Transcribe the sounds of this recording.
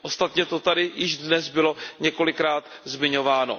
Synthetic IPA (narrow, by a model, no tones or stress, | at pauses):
ʔo̞st̪at̪ɲɛt̪ot̪adɪjɪʒdnɛzbɪlo̞ɲɛko̞lɪkɾaːt̪zmɪɲo̞vaːno̰